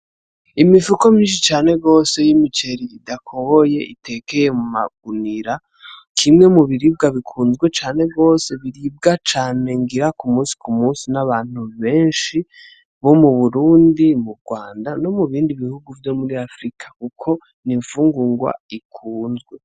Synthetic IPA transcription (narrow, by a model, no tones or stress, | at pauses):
imifuko̞mĩːnʃit͡ʃaːne̞ɡo̞ːse̞jimit͡ʃe̞ɾiidakʰohoje̞ite̞ke̞jemuma̰ɡ̥̚uniɾa | kʰimŋe̞muβiɾiːb̚ɡaβikʰuːnzɡwe̞t͡ʃaːne̞ɡo̞ːse̞βiɾib̚ɡat͡ʃaːne̞ŋɡiɾakumuːsi̥kumuːsinaβaːn̥huβe̞ːnʃi | βo̞muβuɾuːndimuɾɡwaːndano̞muβiːndiβihuɡuvjo̞muɾiafɾikʰḁkukʰo̞ | niɱfuːŋɡuŋɡwa̰ikʰuːnzɡwe̞